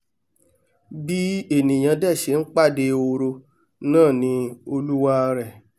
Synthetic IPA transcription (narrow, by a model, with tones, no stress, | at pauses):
bi˦e˦˨nĩ˨j̃ã˧dɛ˦˨ʃe˨˦n̩˦k͡pa˦˨de˧o˧ɾo˧ | nãː˦˨nĩ˧˦o˧lu˦wa˦˧ɾɛ˨